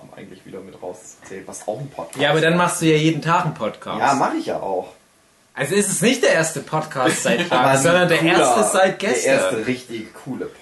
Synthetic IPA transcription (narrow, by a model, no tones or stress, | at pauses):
ʊmʔa̰ɪɡŋ̩tlɪçv̥iːdɐmɪtʁaʊst͡su̥t͡sɛːlnvasa̰ʊxn̩pʰɔt̚kʰjjaːʔaːbɐdanmaχst̚d̥uːjaːjeːdn̩tʰaːkn̩pʰɔtkʰa̰ːaːmaχɪçja̰ːʔa̰ʊx | ʔalzoɪstɛsnɪçtd̥eːɐʔeːɐstəpʰɔtkʰaːstz̥aɪtfʁ̥aːəzɔndɐndeːɐʔeɐstəz̥aɪt̚ɡ̥ɛseːɐɐsntəʁɪçtɪçkʰuːlə